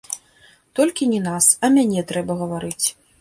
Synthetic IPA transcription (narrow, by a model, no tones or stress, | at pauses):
t̪ɔlʲkʲinʲɛnasɐmʲanʲɛt̪ɾɛbɐɣɐvaɾɨt͡sʲ